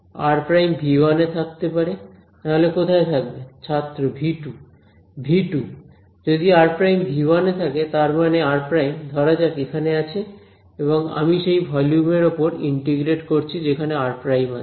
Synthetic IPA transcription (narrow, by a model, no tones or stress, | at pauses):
aɾpɾajmbʱibanet̪ʰak̚t̪epaɾe | t̪aɦolekot̪ʰaet̪ʰak̚bet͡ɕʰat̪ːɾobʱiʈu | bʱiʈu | d͡ʑod̪iaɾpɾajmbʱibanet̪ʰaket̪aɾmaneaɾpɾajmd̪ʱɔɾad͡ʑakekʰaneat͡ɕʰe | eβoŋa̰miʃejbʱɔljumeɾopoɾḭɳʈeɡɾeʈkoɾt͡ɕʰid͡ʑekʰaneaɾpɾajmae̥